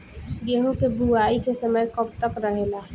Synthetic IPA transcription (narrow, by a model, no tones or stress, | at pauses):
ɡeɦõkebuaːikesəməjkɔp̚t̪əkɾəɦeːlaː